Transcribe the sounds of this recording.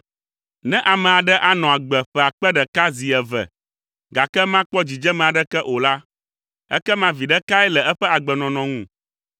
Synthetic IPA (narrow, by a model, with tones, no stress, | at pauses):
nɛ̃˦ʔa˨mɛ̃˨a˨ɖɛ˦ʔa˨nɔ̃˨a˨ɡ͡bɛ˨ɸɛ˦˨a˨k͡pɛ˦ɖɛ˨ka˦zi˨ɛ˨vɛ̰˨ | ɡa˨kɛ˦mã˦k͡pɔ˦d͡ʑi˨d͡ʒɛ˦mɛ̃˨a˨ɖɛ˦kɛ˦ʔo˨la˦ | ɛ̰˦kɛ˦mã˦vi˨ɖɛ˦ka˦ɛ˦lɛ˨ɛ˦ɸɛ˦a˨ɡ͡bɛ˨nɔ̃˨nɔ̃˨ŋũ˦˨